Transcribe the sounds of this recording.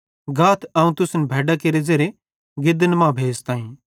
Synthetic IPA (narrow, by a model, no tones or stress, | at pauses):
ɡaːt̪ʰɐːũt̪ʊsnɛbʱɛːɖakeɾezeːɾe | ɡɪd̪ənmãːbʱeːst̪ãːĩː